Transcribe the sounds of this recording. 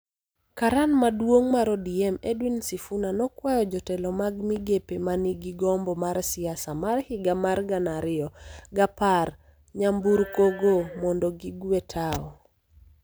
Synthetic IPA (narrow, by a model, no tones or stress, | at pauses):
kaɾanmadwoŋmaɾɔdiɛmedwinsifunanɔkwajɔd͡ʒɔtɛlɔmaɡmiɡepemaniɡiɡɔmbɔmaɾsɪasamarhɪɡamarɡanaɾɪɔɡapar | ɲambuɾkoɡomɔndɔɡiɡwetʰaɔ